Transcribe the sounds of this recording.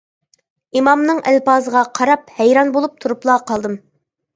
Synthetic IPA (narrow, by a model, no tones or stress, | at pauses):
imɑmnɨŋʔælpɑːzəʁɑqʰɑɾɑp̚hɛjɾɑnbolˠup̚t̪ʰuɾuplˠɑːqʰɑlˠd̪ɨm